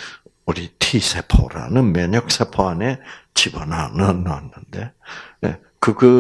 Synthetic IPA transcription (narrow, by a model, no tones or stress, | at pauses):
uɾitʰisʰepʰo̰ɾa̰nɯnmjʌɲʌk̚s͈ʰepʰoane̞t͡ɕibʌnanɯnːʌanːɯnde̞nḛ | kɯɡɯ